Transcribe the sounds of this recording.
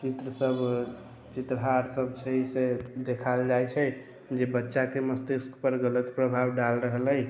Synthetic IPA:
t͡ʃit̪ɾəsəb | t͡ʃit̪ɾəɦaɾsəbt͡ʃʰɛised̪ekʰald͡ʒajt͡ʃʰɛ | d͡ʒebətːʃakeməst̪iskpəɾɡələt̪pɾəbʱabɖalɾəɦələj

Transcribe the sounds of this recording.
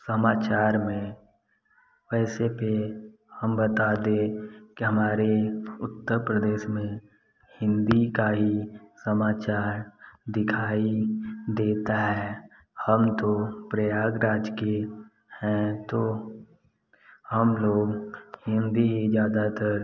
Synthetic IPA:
səmaːt͡ʃaːɾmẽ | ʋɛːsepe | həmbət̪ad̪ẽkiɦɐmaːɾeʊt̪ːəɾpɾəd̪eːʃmẽ | hɪ̃nd̪ikaɦisəmaːt͡ʃaːɾd̪ɪkʰaːid̪eːt̪aɦɛ | həmt̪opɾəjaːɡɾaːd͡ʒke | hɛ̃t̪o | həmloːɡhɪ̃nd̪iɦid͡ʒjaːd̪at̪əɾ

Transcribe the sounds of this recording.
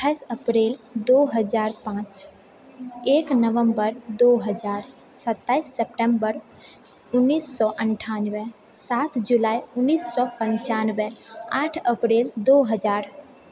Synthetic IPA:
t̪ʰːaɪsəpɾeːld̪oɦəd͡ʒaːɾpãːt͡ʃ | eːknəʋəmbəɾd̪oɦəd͡ʒaːɾ | sət̪ːaːɪsːepʈə̃mbəɾ | ʊnːiːsːɔʔəɳʈʰanʋe | sat̪ʰd͡ʒulaːiʊnːiːsːɔpə̃ɲt͡ʃanweaːʈʰəpɾeːld̪oɦəd͡ʒaːɾ

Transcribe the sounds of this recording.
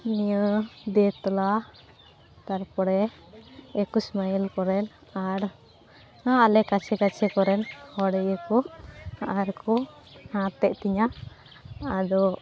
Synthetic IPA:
nijəd̪ɛt̪ɔla | t̪aɾpɔɽɛː | kusmajəlkɔɾɛn | aɾ | aalɛkat͡ʃʰɛkat͡ʃʰɛkɔɾɛnhɔɽɛjəkɔaʔaɾkɔ | hãt̪ɛʔt̪iɲaː | d̪ɔ

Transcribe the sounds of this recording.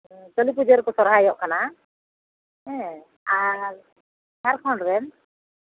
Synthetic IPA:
d͡ʒɔlip̬ud͡ʒɔɾkɔsɔɾɦajɔʔkana | ɛ̃ | aɾ | haɾkʰɔɳɖɾɛn

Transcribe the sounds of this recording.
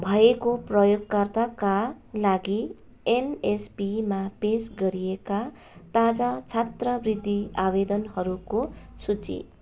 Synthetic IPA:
bʱʌekoprʌjoɡkʌrt̪aka | laɡi | enespimapesɡʌɾijeka | t̪ad͡zat͡sʰat̪rʌbrid̪ʱːiabed̪ʌnhʌɾukosut͡sḭt̪̚

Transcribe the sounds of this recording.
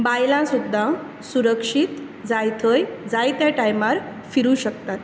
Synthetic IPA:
bajlãsud̪ʱːa | suɾəkʂit̪ | d͡zajt̪ʰəjd͡zajt̪jaʈajmaɾ | fiɾuɕəkt̪at̪

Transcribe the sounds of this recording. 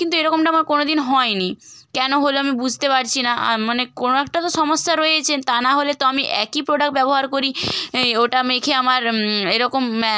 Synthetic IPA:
kint̪ueɾɔkomʈaamaɾkonod̪inɦɔenikɛnoɦoloamibud͡ʑʱt̪epaɾt͡ɕʰinaa̰manekonoɛk̚ʈat̪oʃɔmoʃːaɾoeet͡ɕʰent̪anaɦolet̪oamiʔɛkipɾoɖak̚ʈ̚bɛboɦaɾkoɾioʈamekʰeamaɾeɾɔkom

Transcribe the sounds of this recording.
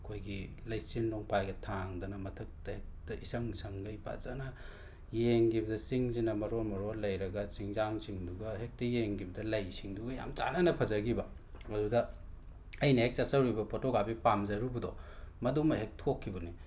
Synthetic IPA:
ɐkʰojɡi | lɐjsinːoŋpʰajɡɐtʰaŋdɐnɐmɐtʰɐk̚tɐhek̚tɐʔisɐŋsɐŋɡɐjpa̰zanɐ | jeŋɡibɐdɐsiŋzinɐmɐɾoɾmɐɾoɾlɐjɾɐɡɐsiŋzaŋsiŋduɡɐɦek̚tɐjeŋɡibɐdɐlɐjsiŋduɡɐja̰mt͡ʃa̰nɐnɐpʰɐzɐɡibɐ | mɐdudɐ | ɐjnɐhek̚t͡ʃɐsɐwɾibɐpʰotoɡabipamzɐɾubudɔmɐdumɐɦek̚tʰokʰːibɐni

